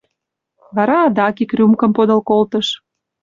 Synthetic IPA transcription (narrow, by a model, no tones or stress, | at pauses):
βɑɾɑːd̪ɑkikrʲymkɤ̆mpod̪ɤ̆lkolt̪ə̆ʃ